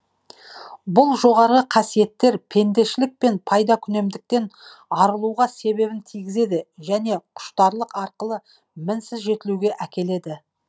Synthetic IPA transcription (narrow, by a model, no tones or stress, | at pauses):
bʊlˠʒo̞ʁɑɾʁəqʰɑsije̞t̪ːe̞ɾpʰe̞nd̪e̞ʃɪlɪk̚pe̞npʰɑjd̪ɑkʲʰʏne̞md̪ɪk̚t̪e̞n | ɑɾəlˠuwʁɑse̞βe̞bɪnt̪ʰijɡʲɪze̞d̪ɪʒæne̞qʰʊ̥ʃt̪ɑɾlˠəqɑɾqəlˠə | mɪnsɪzʒe̞t̪ɪluɡʲe̞ʔækʲʰe̞le̞d̪ɪ